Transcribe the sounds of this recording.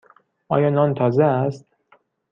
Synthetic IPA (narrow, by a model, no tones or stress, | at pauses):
ʔɒ̰ːjɒːnɒːnt̪ʰɒːzeæst̪̚